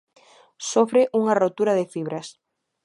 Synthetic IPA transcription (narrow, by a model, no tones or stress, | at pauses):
sofɾeʔuŋarot̪uɾaðɪfiβ̞ɾɐs